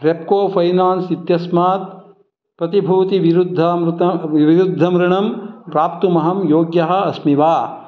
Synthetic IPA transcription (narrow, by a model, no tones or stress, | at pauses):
ɾep̚koːfʰɐjnaːnsit̪jɐsmaːt̪̚ | pɾɐt̪ibʱuːt̪iʋiɾud̪ʱːɐmɾt̪ɐʋiɾud̪ʱːɐmɾɐɳɐmɾaːpt̪umɐɦɐmjoːɡjɐɦɐ̆ɐsmiʋaː